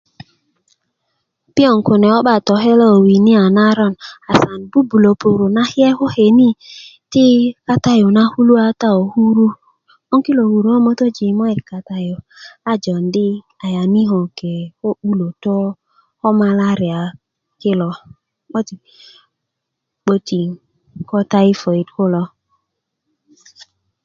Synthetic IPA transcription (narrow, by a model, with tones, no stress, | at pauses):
pi˦ɔ˨ŋ˨ku˨ne˨o˦ɓa˦˨tɔ˨ɦe˦lɔ˦o˨wi˨ni˦a˨na˦ɾɔ˦˨na˨sa˨n˨bu˦bu˨lo˨pu˨ɾu˨na˦hi˦ɛ˦ho˦he˨ni˦ti˦ka˦ta˦jo˨na˦hu˦lu˦a˦ta˦o˨hu˦ɾu˦ | ɔ˦ŋki˦lo˨hu˨ɾu˨˦o˦mo˦to˦d͡ʒi˨mɔ˦i˨ɾka˨ta˨jo˨ | a˦d͡ʒɔ˨n˦dɪ˦ | a˨ja˨ni˦ɦɔ˨ke˨ho˦u˦lo˨tɔ˦ | hɔ˦ma˦la˦ɾi˨a˨ | kɪ˦lɔ˨ | k͡po˦ti˨ | k͡po˦ti˨ | kɔ˦ta˦i˦fo˨i˨dkʊ˦lɔ˦